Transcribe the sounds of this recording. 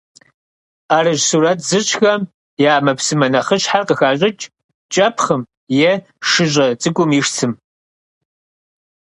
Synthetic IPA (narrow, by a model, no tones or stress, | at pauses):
aːɾɨʒsuːɾɐtʰzɨɕʰʼxɐm | jaːmɐpsɨmɐnɐχəɕħarqəxaːɕʼɪt͡ʃʼ | t͡ʃʼɐpʰχəm | jɛ | ʂɨʑʼɐt͡sʼɨɡʷʼʊmiʂt͡sʰɨm